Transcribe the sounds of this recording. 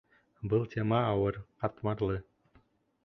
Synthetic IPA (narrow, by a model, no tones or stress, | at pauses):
bɯlˠt̪ʰʲemɑɑwɤ̆rqɑt̪mɑrlˠɯ